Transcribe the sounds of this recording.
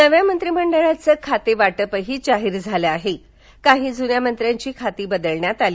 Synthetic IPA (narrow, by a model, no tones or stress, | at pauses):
nəʋjamənt̪ɾiməɳɖəɭat͡səːkʰat̪eʋaʈəpəɦiːd͡ʑaɦiɾd͡zʱaləaɦe | kaɦiːd͡zunjamənt̪ɾjaɲt͡ɕiːkʰat̪iːbəd̪əɭɳjat̪aliː